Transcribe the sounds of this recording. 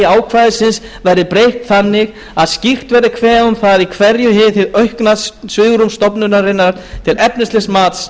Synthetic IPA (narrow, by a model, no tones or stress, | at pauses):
aːwkʰvaːjðɪsɪns | vɛjɾðɪpɾejht̪θanːɪɣ | aðscixt̪vɛɾɪkʰvɛːʏmθaðikʰvɛɾjʏɦɪθɪðœɥhknaðsvɪːɣɾumst̪ɔpnʏnaɾɪnːaɾ̥t̪ʰɪlɛpnɪst̪lɪsmaːt̪s